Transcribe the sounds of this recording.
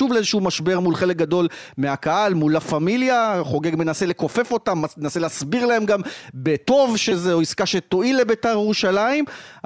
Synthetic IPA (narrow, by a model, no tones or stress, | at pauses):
uvlezeʃuumaʃbe̞ʁmulχe̞lek̚ɡado̞l | meakaalmulafamiljaχo̞ɡe̞ɡmenase̞le̞ko̞fe̞fo̞tamːaenase̞leasbiʁlae̞mɡambet̪o̞vʃezeoiskaʃet̪o̞ʔilebetaʁjeʁuʃalaim